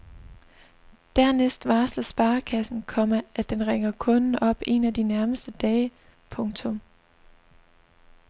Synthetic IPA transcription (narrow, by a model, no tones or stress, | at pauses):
d̥æɐ̰nesd̥ʋɑ̈ːslɐsb̥ɑ̈ːkʰæsn̩kʰɒ̽məæd̥enʁeŋɐkʰɔ̽nn̩ɒ̽b̥e̝næd̥inæɐməsd̥əd̥ɛːɪ | pʰɔ̽ŋt͡sʰɔ̽m